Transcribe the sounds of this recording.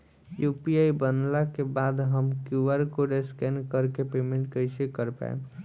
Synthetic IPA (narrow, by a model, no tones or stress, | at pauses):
jupiaibənlakebad̪ɦəmkjuʋəɾkoɖeskɛnkəɾkepemẽɳʈkəjsekəɾpa̰ḛ